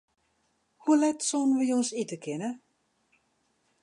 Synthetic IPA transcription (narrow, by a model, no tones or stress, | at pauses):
hulɛtsonəʋəjonsitəkʰɪnə